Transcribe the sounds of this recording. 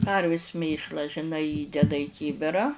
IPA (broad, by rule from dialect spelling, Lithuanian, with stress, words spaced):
ˈkɐrʲʋʲɪs ˈmʲeːʃlˠɐ ʒʲɪˈnɐɪ ˈiːdʲɛdɐ iː ˈkʲiːbʲɪrɐ